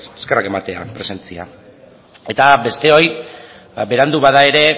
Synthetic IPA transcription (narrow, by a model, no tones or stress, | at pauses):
eske̞rake̞mat̪e̞a̰pɾe̞se̞nt͡sia̰ | e̞t̪abe̞st̪e̞o̞j | abe̞ɾand̪uβaðae̞ɾe̞